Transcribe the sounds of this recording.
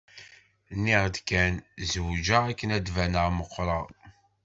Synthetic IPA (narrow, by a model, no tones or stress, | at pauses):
nːiʁd̪kænzwd͡ʒəækːənæd̪vænəʁməqːɾˤɑ